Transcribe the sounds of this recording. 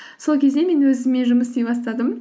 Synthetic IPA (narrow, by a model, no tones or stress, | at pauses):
so̞lˠkʲʰe̞zd̪e̞me̞nwɵzɪmːe̞ʒʊməsd̪e̞jbɑst̪ɑd̪əm